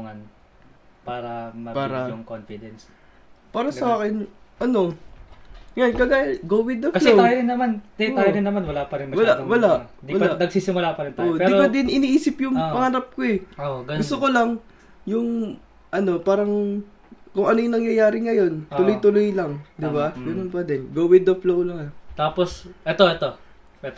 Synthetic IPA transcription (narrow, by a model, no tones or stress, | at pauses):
uŋɐn | paːɾɐmɐpaːɾɐjʊŋkonfɪd̪ɛns | paːɾɐsɐʔaːkɪnʔɐno̞ | ŋɐjankɐɡaːjɡowɪd̪ɐkɐslɛot̪ːjoɾɪnːɐmant̪ɐaaːjoɾɪnːɐmanwɐlapɐɾɪnmɐwɐlaʔwɐlad̪iɐlanɐɡ̚siːsɪmʊlapɐɾɪnt̪aojnpɛd̪iɾopɐd̪ɪnʔɪniːʔiːsɪpjʊŋpɐŋaːɾɐp̚koɛoɡɐɡʊst̪okolɐŋ | jʊŋ | ʔɐno̞paːɾɐŋ | kʊŋɐnojʊŋnɐŋjɐjaːɾɪŋɐjo̞nt̪ʊlojt̪ʊlojlɐŋd̪ɪbaɡɐnonpɐd̪ɪnɡowɪd̪oflowlɐŋɛt̪aːposʔɛt̪oʔɛt̪o | ɛ